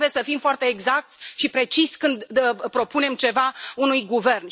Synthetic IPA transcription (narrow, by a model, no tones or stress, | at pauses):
jesəfimfoart̪e̞ːɡzak̚t̪sʲʃipɾe̞t͡ʃisʲkɨnd̪pɾo̞pune̞mt͡ʃe̞vaunujɡuve̞rn